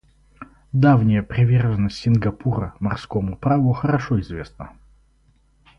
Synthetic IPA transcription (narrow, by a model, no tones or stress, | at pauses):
d̪avnʲɪjəpɾʲɪvʲerʐənːəsʲtʲsʲɪnɡɐpʰuɾə̰mɐrskomʊpɾavʊxəɾɐʂoɪzvʲe̞snə